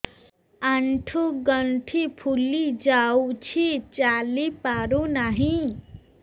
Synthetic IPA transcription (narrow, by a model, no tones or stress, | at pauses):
aɳʈʰuɡʌɳʈʰipʰulid͡ʒawt͡ʃʰit͡ʃalipaɾunaɦĩ